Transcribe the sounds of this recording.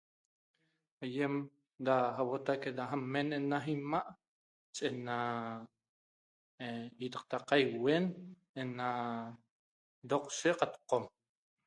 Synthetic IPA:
ajem | d̪aɦawot̪aked̪aɦamenenaɦimaʔ | t͡ʃʼena | it̪aq̚t̪aqajwen | ena | d̪oqseqat̪qom

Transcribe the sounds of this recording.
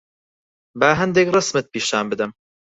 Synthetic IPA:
baːɦɛnd̪ekrɨsmɨt̪̚piːʃaːnbɨd̪ɨm

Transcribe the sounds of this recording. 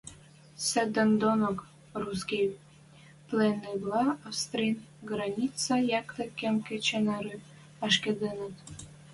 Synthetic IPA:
sed̪ənd̪onok | ruskʲij | pleneblɑɑfst̪ɾʲinɡɾɑnʲit͡sɑjɑkt̪ə̆kemkĕt͡ɕenɑɾy | ɑʃked̪enət̪

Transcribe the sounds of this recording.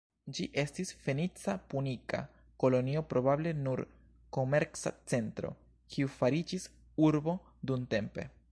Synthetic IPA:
d͡ʒiʔe̞stisfe̞nit͡sapunika̰ | ko̞lo̞nio̞pɾo̞bable̞nuɾ | ko̞me̞ɾsa̰t͡se̞ntɾo̞̰ | kʰiufaɾid͡ʒis | uɾbo̞ | dunte̞mpe̞̰

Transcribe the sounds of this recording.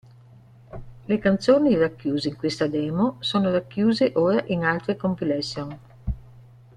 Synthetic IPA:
lekant̪soːnirakːjuːzeiŋkwest̪ad̪ɛːmosoːnoɾakːjuːzeʔoːɾaʔinalt̪ɾekompilɛsːjon

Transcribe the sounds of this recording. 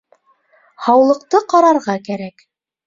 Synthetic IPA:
hɑwlˠɤ̆q̚t̪ɤqɑɾɑɾʁɑkæɾæk

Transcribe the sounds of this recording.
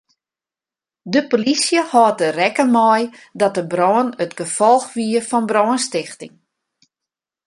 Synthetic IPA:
dəpolisjəhɔːtərɛkəmɔjdɔt̚dəbrɔːənətɡəfɔlˠxʋiəəfɔnbrɔːənstɪxtɪ̰ŋ

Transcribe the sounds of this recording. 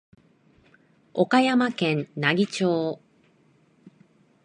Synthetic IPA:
o̞kajamakẽnnaɡʲit͡ɕoː

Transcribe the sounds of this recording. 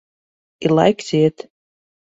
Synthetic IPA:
ilˠa̰jkzit̪

